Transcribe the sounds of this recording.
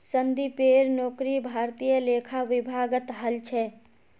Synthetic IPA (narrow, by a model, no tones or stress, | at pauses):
sənd̪ipeːɾnoːkɾibʱaːɾt̪ijəleːkʰaʋɪbʱaːɡət̪ɦəlt͡ʃʰɛ